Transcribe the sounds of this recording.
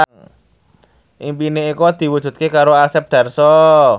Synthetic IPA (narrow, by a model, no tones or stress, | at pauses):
ŋ | ʔimpineikɔd̪̥i̤wudʒ̥ṳt̪̚kekaɾoasɛp̚d̪̥a̤rsɔ